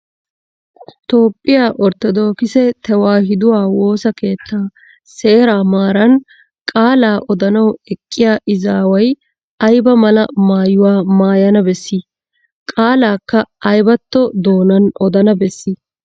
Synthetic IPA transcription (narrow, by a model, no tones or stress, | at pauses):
t̪o̞ːpʼːɪjaːʔɔɾt̪ɔd̪o̞ːkɪsɛt̪ʰɛwaːhɪd̪ʊwaːwo̞ːsɐke̞ːt̪ʰːaː | se̞ːɾaːmaːɾɐn | kʼaːlaːʔɔd̪ɐnɐwɛkʼːɪjaːʔɪzaːwɐj | ɐjbɐmɐlɐmaːjʊwaːmaːjɐnɐbɛsːi | kʼaːlaːkːɐːjbɐt̪ːɔd̪o̞ːnɐnʔɔd̪ɐnɐbɛsːi